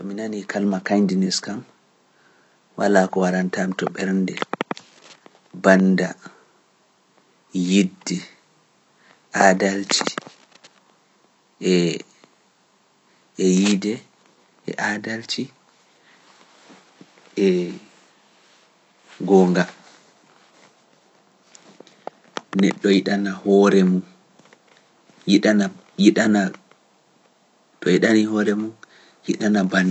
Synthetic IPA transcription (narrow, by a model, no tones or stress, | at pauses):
tɔminanikʰalmakajdinɛskam | wa̰laːkɔwaɾantamtɔɓɛɾndɛ | banda | jidːɛ | ʔadalt͡ʃi | ɛ | jidɛ | ʔɛ̰ʔadaltʰi | ɛ | ɡɔːŋɡa | nɛ̰ɗːɔjiɗanahɔɾɛmun | jiɗana | jiɗana | tʰɔjiɗaniɦɔɾɛmun | jiɗanaban